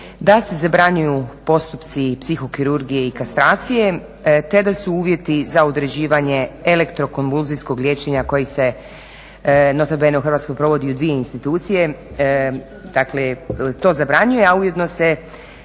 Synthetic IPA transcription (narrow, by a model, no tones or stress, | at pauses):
d̪ase̞zabɾaɲujupo̞st̪upt̪sipsixo̞kiɾuɾɡije̞ikast̪ɾaːt̪sije̞ | t̪e̞d̪asuuːʋje̞t̪izaud̪ɾed͡ʑiːʋaɲe̞ele̞kt̪ɾo̞ko̞nʋulˠzisko̞ɡlʲje̞t͡ʃe̞ɲakojise̞ | no̞t̪abeneuxrʋat̪sko̞jpɾo̞ʋo̞d̪iud̪ʋije̞inst̪it̪uːt̪sije̞ | d̪̥akle̞t̪o̞ːzabɾaɲujeauje̞d̪no̞se̞